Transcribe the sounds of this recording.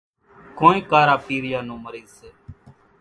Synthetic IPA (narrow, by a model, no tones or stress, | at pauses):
koːnĩːkaːɾaːpiːɾɪjaːnũːməɾiːseː